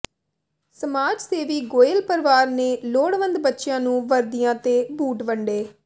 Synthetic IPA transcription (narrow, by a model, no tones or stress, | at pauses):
səmaːd͡ʒseːʋiːɡoːjəlpəɾʋaːɾneːloːɽʋə̃nd̪bətːʃɪjãːnũːʋəɾd̪ijãːt̪eːbuːʈʋəɳɖeː